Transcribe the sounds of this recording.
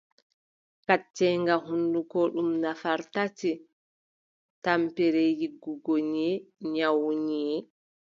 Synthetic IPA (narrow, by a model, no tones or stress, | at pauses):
kat͡ʃːɛŋɡaɦundukɔɗumnafaɾtati | tampɛɾɛjiɡːuɡoɲɛɲawɲɛː